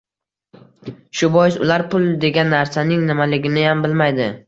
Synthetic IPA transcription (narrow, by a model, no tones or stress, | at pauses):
ʃʊbɒjɪsʊlaɾpʰʊlˠd̪e̞ɡʲanːaɾsanɪŋnɪmalɪɡʲɪnɪjambɪlmajd̪ɪ